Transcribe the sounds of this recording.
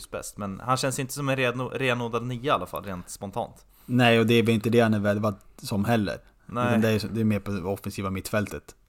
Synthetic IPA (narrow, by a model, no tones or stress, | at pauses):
sbɛ̰st̪mɛnhanɕɛnsɪnt̪əs̬ɔmɛnɾeɾeːnoːd̪ad̪nyːaalːafa̰lːɾeːnt̪spɔnt̪ʰɑ̰ːnt̪ | nɛɪɔd̪ɛːɾvɛlɪnt̪əd̪ɛhanɛɾvɛd̪vad̪sɔmɦɛlːə̰ɾ | nɛad̪ɛæɔd̪ɛːmeːɾpʰɔɛɔfɛnsiːvamɪt̪ːfɛlt̪ʰət̪